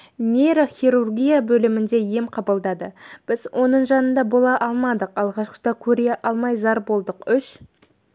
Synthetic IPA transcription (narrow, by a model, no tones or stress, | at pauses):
nʲeɾoχʲiɾurɡʲijabɵlɪmɪnd̪e̞je̞mqʰɑbəlˠd̪ɑd̪əb̥ɪzwʔo̞nəɴʒɑnənd̪ɑbo̞lˠɑʔɑlˠmɑd̪əqɑlˠʁɑʃqə̥t̪ɑkʲʰɵɾe̞ʔɑlˠmɑjzɑɾbo̞lˠd̪əqʏʃ